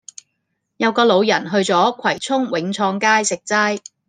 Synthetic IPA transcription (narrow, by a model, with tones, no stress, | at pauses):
jɐ˨˧wkɔː˧lo˨˧wjɐ˨˩nɦɵ˧ɥt͡sɔː˨˥kʷʰɐ˨˩jt͡sʰʊ˥ŋwɪ˨˥ŋt͡sʰɔː˧ŋkaː˥jsɪ˨k̚t͡saː˥j